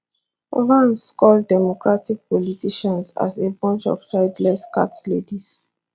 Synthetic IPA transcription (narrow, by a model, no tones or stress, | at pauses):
ɹãnskɔldɛmɔkɹatik̚pɔlitʰiʃɔ̃nsa̰zebɔ̃nt͡ʃɔ̰ft͡ʃaɪdlɛska̰tlediz̥